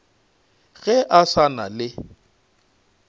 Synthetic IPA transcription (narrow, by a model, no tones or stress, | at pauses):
ɣɛʔasana̰lɪ